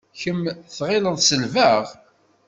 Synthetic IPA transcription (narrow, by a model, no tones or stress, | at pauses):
çəmθʁɪləðsəlvæʁ